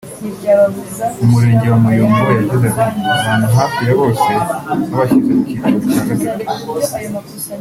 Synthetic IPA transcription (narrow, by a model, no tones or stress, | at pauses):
umuɾe̞ːɲɟewamujomuɾejazezakiaβaːnuɦaːfiɾeβo̞ːse̞aβaçizemuciːtoβucaːɡatatu̥